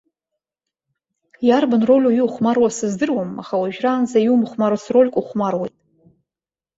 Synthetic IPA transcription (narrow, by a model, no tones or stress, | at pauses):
jarbanro̞lʲujuuχʷmarwasɨzdɨrwama̰χawaʒᶣraːnzajumχʷmaɾosro̞lʲkʷʼuχʷmarwejtʼ